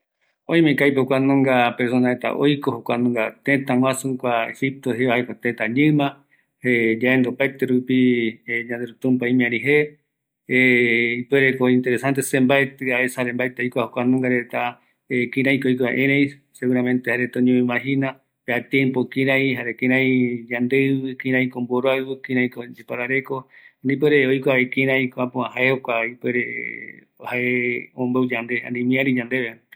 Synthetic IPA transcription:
õj̃mẽkajpokʷanõŋɡapeɾsonahet̪a̰ʔojkohokʷanũŋɡat̪et̪aw̃ãsukʷaḛhip̚t̪oɦeβaajkot̪et̪aɲɨ̃mã | ed͡ʒaend̪opaet̪eɾupiɲãnd̪eɾut̪ũmpaĩmĩãɾiɦe | ipweɾekoĩnt̪e̞ɾesant̪̬esẽmbaet̪ɨaesaɾembaet̪ejkʷahokʷanũŋɡaɾet̪a | ekĩɾãj̃kojkoã̰ʔẽɾej | seɣuɾamẽnt̪ehaɾet̪õɲõĩmãɦina | peat̪jempokĩɾãĩɦaɾekĩɾãj̃d͡ʒãnd̪eβɨkĩɾãĩkomboɾoaβɨkĩɾãj̃kod͡ʒepaɾaɾe̞ko̞nĩp̬weɾeojkʷaekĩɾãj̃koapũãhaehokʷaipweɾḛ | haeõmbowd͡ʒand̪e̞a̰nĩmĩaɾid͡ʒand̪eβe

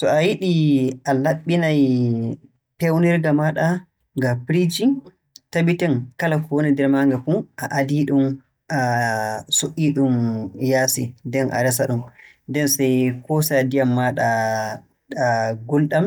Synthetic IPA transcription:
sɔajiɗiʔalaɓːinaj | pɛwnɛɾɡamaɗa | ŋɡapɾid͡ʒi | taɓitɛnkalafonidɛɾmaŋɡafuʔaʔadiɗum | ʔa | soʔiɗumjaːsidɛnʔa̰ɾɛsaɗum | dɛnsɛjkɔsadijamːaɗa | ɡulɗam

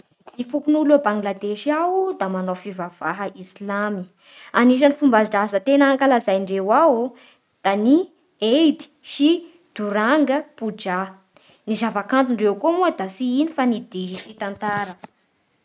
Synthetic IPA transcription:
nifupunulabaŋɡlad̪eʃiawud̪amanawfivav̥aɦəʔislami | aniʃ̬anifumbaɖ͡ʐazət̪enaŋkalazajɳɖ͡ʐewawu | d̪̥ani | ejd̪i̥ʃi | d̪̥uɾaŋɡəpud͡ʒa | nizavakant̪̬uɳɖ͡ʐewkomued̪asiinifanid̪iʃiʃit̪ant̪aɾə

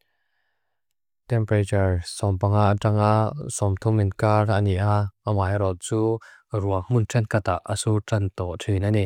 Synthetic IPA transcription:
tɛmpɾat͡ʃaɹsɔmpaŋaʔʈ͡ʂaŋaʔsɔmt̪ʰɔminkaraniʔaəmaːjɾɔt̪̚t͡suːruakmuntʰɛnkat̪aʔə̰suʈ͡ʂant̪ɔʔtʰinanɛ

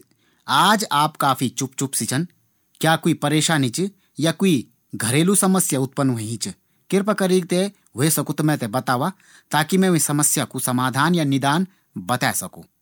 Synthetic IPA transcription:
aːd͡ʒaːpkaːpʰit͡ʃʊpt͡ʃʊpsɪt͡ʃʰən | kjaːkuipɐɾeːʃaːnit͡ʃ | jakui | ɡʱɐɾeːlusɐməsjəʊt̪̚pənːʋɐiĩt͡ʃ | kɪɾpəkɐɾiɡ̚t̪e | ɦesɐkut̪ɐmɛ̃t̪ebɐt̪aːʋa | t̪aːkimɛ̃sɐməsjakusɐmaːd̪ʱaːnjanɪd̪aːn | bɐt̪ɛːsɐkṵ̃ː

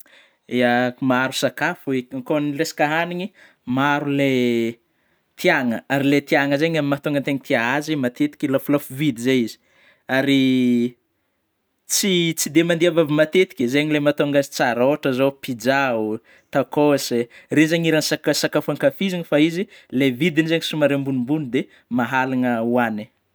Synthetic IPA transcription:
eamaɾusakafueŋkonresi̥kaɦaniɲi | maɾule | t̪ʰiaŋəaɾilet̪iaŋəzeɲamimat̪oŋɡənt̪eɲit̪iaɦazimat̪et̪i̥kʲilafulafuvid̪izejizi̥ | aɾi | t͡sit͡sid̪emand̪iavavimat̪et̪i̥kʲizeɲilemat̪oaŋɡazi̥t͡saɾoaʈ͡ʂəzopid͡ʒau | t̪akoserenzaɲiɾansakasakafaŋkafizinifaizilevid̪inizeɲisumaɾembunimbunid̪e | maɦalanəuani

